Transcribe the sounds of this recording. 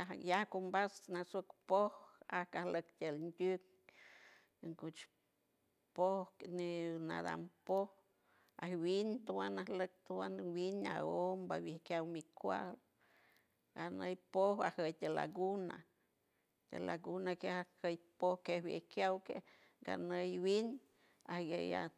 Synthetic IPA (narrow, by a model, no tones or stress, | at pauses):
ajahkumbasnasokpohahkahlək̚t̪ʲelnd̪ʲuk̚ | ŋkut͡ʃ | pohnina̰d̪a̰mpoh | ahwint̪uwanahlək̚t̪uwanwina̰ombawjehkʲjawmikʷa̰l | ɡanəjpohahəjt̪ʲela̰ɡuna̰ | t̪ʲḛlaɡunakehahəjpohkehwjḛhkjawke | ɡ̥a̰nəjwin | ahɡeja̰